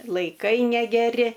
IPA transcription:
lˠɐɪˈkɐɪ nʲɛɡʲɛˈrʲɪ

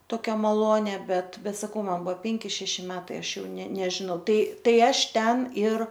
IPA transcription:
ˈtoːkʲɛ mɐˈlˠoːnʲɛ ˈbʲɛt ˈbʲɛt sɐˈkɐʊ ˈmɐn ˈbʊʋoː ˈpʲɛŋʲkʲɪ ˈʃʲæːʃʲɪ ˈmʲæːtɐɪ ˈɐʃ jɛʊ nʲɛ nʲɛʒʲɪˈnɐʊ ˈtɐɪ ˈtɐɪ ˈɐʃ ˈtʲɛn ɪr

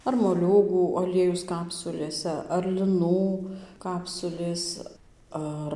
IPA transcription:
ɐr moːˈlʲuːɡuː ɐˈlʲiɛjʊs ˈkɑːpsʊlʲeːsʲɛ ɐr lʲɪˈnuː ˈkɑːpsʊlʲeːs ˈɐr

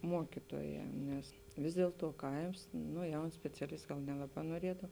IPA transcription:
ˈmuɔkʲɪtuɔˌjɛː nʲɛs ˈʋʲɪs dʲiɛlˠ ˌtuɔ ˈkɐɪms ˈnoː ˈjɛʊn sʲpʲɛt͡sʲɛˈlʲɪst ˈɡɐlˠ ˈnʲæːlˠɐˌbɑː noːˈrʲiɛdɐw

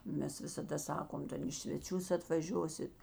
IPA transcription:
ˈmʲɛs ʋʲɪsɐˈdɐ ˈsɑːkoːm ˈtʲɛn iː sʲʋʲɛˈt͡ʃʲʊs ɐtʋɐˈʒʲoːsʲɪt

